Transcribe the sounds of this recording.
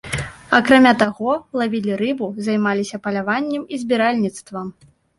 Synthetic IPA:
akɾamʲat̪aɣɔlˠavʲilʲiɾɨbuzajmalʲisʲɐpɐlʲavanʲːɛmizʲbʲiɾalʲnʲit̪st̪vɐ

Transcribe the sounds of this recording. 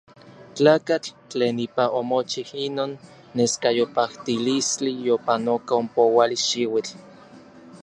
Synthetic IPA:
t͡ɬaːkat͡ɬ | t͡ɬeːnipaʔomot͡ʃihinoːnː | eskajopaht̪ilist͡ɬijopanokaompowaliʃiwit͡ɬ

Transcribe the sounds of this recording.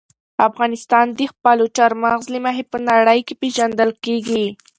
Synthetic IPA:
afɣɑnɪst̪ɑnd̪ixpɑluʈaɾmaɣzlimaɦepənaɽəjkepeʒand̪əlkeɡi

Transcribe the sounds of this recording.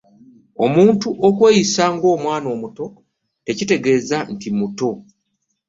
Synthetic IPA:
o̞muːntuʔokwe̞ːjisaŋɡo̞ːmwaːno̞ːmuto̞ | te̞cite̞ɡe̞ːzantimuto̞

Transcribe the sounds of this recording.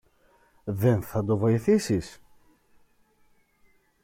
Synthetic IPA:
ðe̞nθɐd̪o̞vo̞iθisis

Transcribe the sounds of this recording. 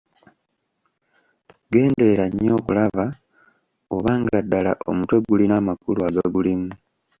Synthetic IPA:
ɡe̞ːnde̞ɾeɾaɲːo̞ːkulaβa | oβaːŋɡadːala̰ʔo̞̰mutwe̞ɡulinaːmakuluaɡeɡulimu

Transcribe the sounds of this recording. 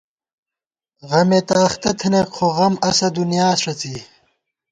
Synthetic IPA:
ʁɐmet̪aːxt̪ɐt̪ʰɐnekqʰoʁɐmɐsɐd̪unjaːsʂɐt͡si

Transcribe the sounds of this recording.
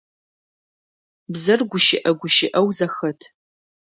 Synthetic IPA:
bzɨrɡʷʊʃɪ̰ʔɐɡʷʊʃɪʔɐwzɐxɐtʰ

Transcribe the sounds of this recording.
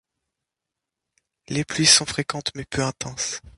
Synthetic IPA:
leplɥisɔ̃fχekɑ̃t̪mɛpʰøɛ̃t̪ɑ̃s

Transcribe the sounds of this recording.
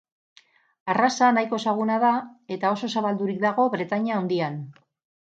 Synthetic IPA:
arasanajko̞saɣ̞unaðae̞t̪ao̞so̞saβald̪uɾik̚d̪aɣo̞βɾe̞t̪aɲaownd̪ian

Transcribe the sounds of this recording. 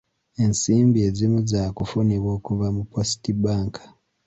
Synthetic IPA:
e̞nsiːmbie̞zimuzaːkufuniβwoːkuvamupːosi̥tibaːŋkʰḁ

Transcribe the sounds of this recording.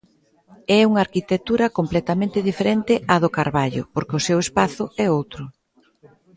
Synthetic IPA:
ɛuŋaɾkit̪ek̚t̪uɾɐkomplɛt̪amẽnt̪ɪðifeɾent̪ɪʔaðʊkaɾβaʎʊ̰poɾkɪʊsewespaθʊɛowt̪ɾʊ

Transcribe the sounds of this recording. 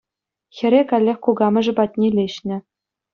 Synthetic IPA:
xʲɘ̆ɾʲekɑlʲːexʲkuɡɑmʲɘ̆ʐɘ̆bɑt̪ʲnʲelʲeɕnʲɘ̆

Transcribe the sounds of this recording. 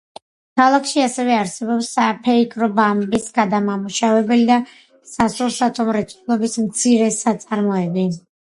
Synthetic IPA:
kʰalˠakʰʃiasɛvɛaɾsɛbɔpsapʰɛikʼɾɔbambisɡad̪amamuʃavɛbɛlid̪a | sasulˠsat̪ʼɔmɾɛt̪sʼulˠɔbismt̪sʰiɾɛsat̪sʼaɾmɔɛbi

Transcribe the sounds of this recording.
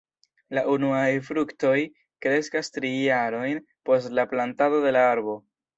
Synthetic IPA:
laʔunuajfɾukto̞j | kɾe̞skastɾijaɾo̞jn | po̞stlaplantado̞de̞laaɾbo̞

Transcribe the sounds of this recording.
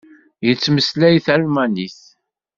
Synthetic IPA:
jət͡sːməslæjθælmæniθ

